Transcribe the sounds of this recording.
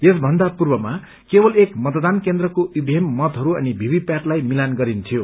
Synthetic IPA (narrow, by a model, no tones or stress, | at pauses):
jesbʱʌnd̪apurbʌma | kebʌlekmʌt̪d̪ankend̪rʌkoʔubʱemːʌt̪ɦʌɾuʌnibʱibipjaʈlajmilanɡʌɾint̪ʰijo